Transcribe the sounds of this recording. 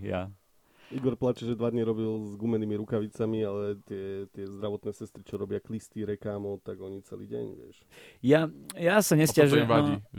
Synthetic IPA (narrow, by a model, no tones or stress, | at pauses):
ja̰ | iɡɔɾplat͡ʃɛʒɛd̪ʋad̪ɲiɾɔbilzɡumɛniːmiɾukaʋit͡samialɛt̪ɪɛt̪ɪɛzd̪ɾaʋɔt̪nɛːsɛst̪ɾit͡ʃɔɾɔbɪaklist̪iɾɛkaːmɔt̪aɡɔɲit͡sɛ̰lḭːɟɛ̰ɲʋɪɛ̰ʃ | jajasaɲɛscaʒiai